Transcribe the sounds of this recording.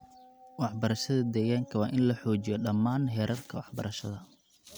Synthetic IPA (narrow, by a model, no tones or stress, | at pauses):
wɑħbɐɾɐʃɐðɐd̪ɛːɣaːŋkʰɐwɑːʔɪnlɐħɔːt͡ʃɪjɔɗɐmːaːnɦɛːɾʔɐrkʰɐwɑħbɐ̰ɾɐʃɐ̰ðɐ